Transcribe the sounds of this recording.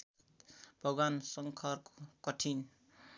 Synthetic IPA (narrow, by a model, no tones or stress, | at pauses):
bʱʌɡwansʌŋkʰʌrkokʌʈʰin